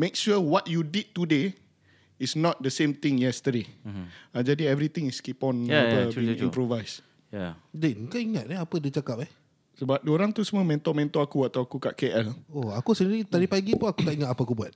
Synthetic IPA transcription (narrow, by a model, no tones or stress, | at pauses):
mekʃuwɔtjudid̚tude | isnɔt̚d̪əsẽmt̪ĩŋjɛst̪ədead͡ʒadiɛvɾit̪ɪ̃ŋiskipɔ̃nəiḭ̃mpɾovajs | adɛkaiŋat̚ɛapədit͡ʃakap̚ɛ | səbap̚doɾãŋt̪usəmə̃mɛ̃nt̪ɔmɛ̃nt̪ɔakuat̪awakukaʔkeʔɛloakusəniɾit̪aɾipaɡipuakut̪aʔiŋat̪apəakubuat̚